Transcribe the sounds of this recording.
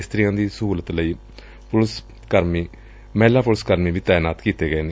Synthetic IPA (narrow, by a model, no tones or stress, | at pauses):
st̪ɾijãːd̪iːsəɦuːlət̪ləiː | pʊls | kəɾmiː | mɛːlaːpʊlskəɾmiːʋiːt̪ɛːjnaːt̪kiːt̪eːɡəeːne